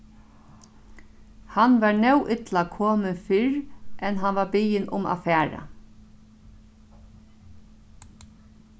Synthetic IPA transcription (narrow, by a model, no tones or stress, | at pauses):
hanʋaɹnɛwʔɪt̪lakʰoːmɪnfɪɹʔɛnɦanʋaɾbijɪnʔʊ̰ma̰fæːɹa̰